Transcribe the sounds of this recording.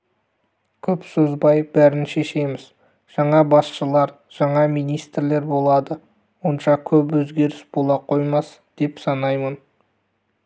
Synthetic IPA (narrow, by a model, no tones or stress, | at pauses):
kʲʰɵpsozbɑjbæɾɪnʃe̞ʃe̞mɪz̥ | ʒ̥ɑɴɑbɑsʃəlˠɑɾ | ʒ̥ɑɴɑmijnijst̪ɾle̞ɾbo̞lˠɑd̪ə | wo̞nʃɑkʲʰɵpwɵzɡʲe̞ɾɪsb̥olˠɑqʰo̞jmɑs | d̪̥e̞psɑnɑjmən